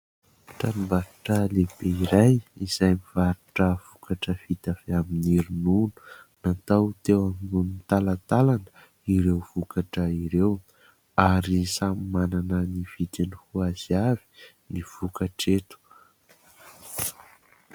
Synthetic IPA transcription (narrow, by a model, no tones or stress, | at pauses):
ʈ͡ʂanumbaɾuʈ͡ʂəlebeiɾajiz̥ajmivaɾuʈ͡ʂəv̥ukaʈ͡ʂəvit̪afeaminiɾinunu̥ | nat̪awt̪ewaminunit̪alat̪alanə̥ | iɾewv̥ukaʈ͡ʂəiɾew | aɾisamimananənifit̪enihuaziavi̥ | niv̥ukaʈ͡ʂet̪u̥